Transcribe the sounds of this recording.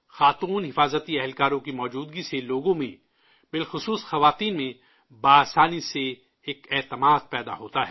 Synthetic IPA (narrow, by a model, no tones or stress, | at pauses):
xaːt̪uːnɦɪfaːzət̪iɛɦɛlkaːɾõkimɔːd͡ʒuːd̪ɡiseloːɡõmẽ | bɪlxʊsuːsxɐʋaːt̪iːnmẽ | baːsaːniseː | kɛːt̪əmaːd̪̚pɛːd̪a̰ɦoːt̪aɦɛː